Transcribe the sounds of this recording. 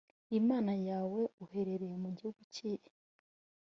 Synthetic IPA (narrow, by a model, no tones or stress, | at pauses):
imaːnajaːwe̞uhe̞ɾe̞ɾejemuɟihuɡuciɾi